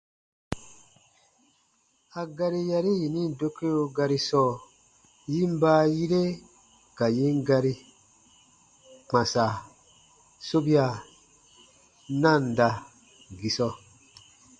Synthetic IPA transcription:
a˨ɡa˧ɾi˦ja˧ɾi˦ji˨nĩ˦do˦ke˦o˦˧ɡa˧ɾi˦sɔː˦˨ | ji˦m˦baː˦ji˦ɾe˦ | ka˨ji˦ŋɡa˧ɾi˧ | k͡pã˨sa˨ | so˦bi˦a˨ | nã˦˨n˨da˧ | ɡi˨sɔ˧

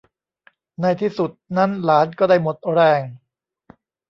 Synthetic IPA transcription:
na˧˩jt̪ʰiː˥˩su˨˩t̪̚na˦˥nlaː˩˦˥nkɔː˥˩daː˥˩jmo˨˩t̪̚ɾɛː˧˩ŋ

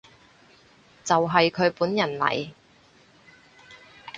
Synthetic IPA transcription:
t͡sɐ˨wɦɐ˨jkʰɵ˨˧ɥpuː˨˥njɐ˨˩nlɐ̰˨˩j

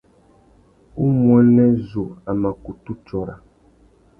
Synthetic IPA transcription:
u˦m˦ɔ̃˨˦nɛ̃˦zo˨a˨mã˨ku˨t̪u˦t͡ʃɔ˨ɾa̰˨

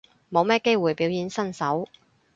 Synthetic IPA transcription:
mo˨˧wmɛː˥ke˥jwuː˨jpiː˨˥wjiː˨˥nsɐ˥nsɐ˨˥w

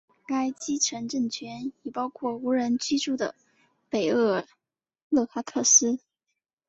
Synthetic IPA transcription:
ka˥ɪt͡ɕi˥ʈ͡ʂʰə˧˥ŋʈ͡ʂə˥˩ŋt͡ɕʰɥɛ˧˥ni˨˩pɑ˥ʊkʰwɔ˥˩u˧˥ɻə˧˥nt͡ɕi˥ʈ͡ʂu˥˩d̪ə̰˩ | pe˨˩ɪɤ˥˩ | lɤ˥˩xa˥kʰɤ˥˩sɹ̩˥

